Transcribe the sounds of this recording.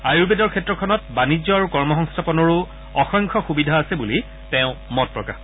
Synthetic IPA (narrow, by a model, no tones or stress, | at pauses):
ajuɹbedɔɹkʰɛtɹɔkʰɔnɔt̚banid͡ʑɔaɹukɔɹmɔxɔŋstʰapɔnɔɹʊ | ɔxɔŋkʰɔxubidʱaːsɛbuli | tɛ̃ʊ̃mɔt̚pɹɔka̰x